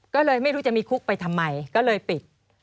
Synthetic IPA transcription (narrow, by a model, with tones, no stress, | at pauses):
kɔː˥˩lɤː˧jma˥˩jɾuː˦˥t͡ɕa˨˩ʔmiː˧kʰu˦˥k̚pa˧jt̪ʰa˧mːa˧jkɔː˥˩lɤː˧jpi˨˩t̪̚